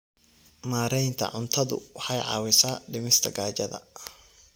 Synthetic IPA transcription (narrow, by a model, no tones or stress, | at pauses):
maːɾɛjnt̪ʰɐ̰ʕʊnt̪ʰɐðʊ̰wɑħɑjʕɑ̰ːwɪsaːɖɪmɪst̪ʰɐɡaːt͡ʃɐðɐ̰